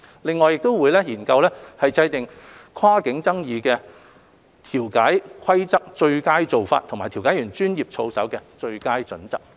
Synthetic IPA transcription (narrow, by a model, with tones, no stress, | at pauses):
lɪ˨ŋːɔː˨jɪ˨k̚t̪o˥wuː˨˧jlɛː˥jiː˨˩nkɐ˧wlɛː˥hɐ˨jt͡sɐ˧jt̪ɪ˨ŋkʷʰwaː˥kɪ˨˥ŋt͡sɐ˥ŋjiː˨˧kɛː˧ | t̪ʰiː˨˩wkaː˨˥jkʰɐ˥jt͡sɐ˥k̚t͡ʃɵ˧ɥkaː˥jt͡so˨wfa̰ː˧t̪ʰŋmaː˨˩t̪ʰiː˨˩wkaː˨˥jy˨˩nt͡ʃyː˥njiː˨p̚t͡ʃʰo˧wsɐ̰˨˥wkɛː˧t͡ʃɵ˧ɥkaː˥jt͡ʃɵ˨˥nt͡sɐ˨k̚